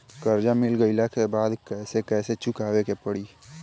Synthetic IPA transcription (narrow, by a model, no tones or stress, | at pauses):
kəɾd͡ʒamɪlɡəɪlakebaːd̪kɛːsekɛːset͡ʃʊkaːwekepəɽiː